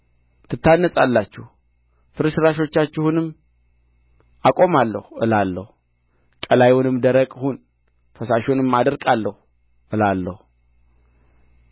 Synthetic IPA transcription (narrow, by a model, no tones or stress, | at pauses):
t̪ʰɨt̪ːanːəsʼalːat͡ʃːɪh | fɨɾɨʃɨɾaʃo̞t͡ʃːat͡ʃːɪhunɨm | ʔakʼo̞malːəhɨ̰lalːə̰hu | kʼəlajunɨmd̪əɾəkʼhun | fəsaʃunɨmːad̪əɾkʼalːəhu | ʔɨlalːə̰hu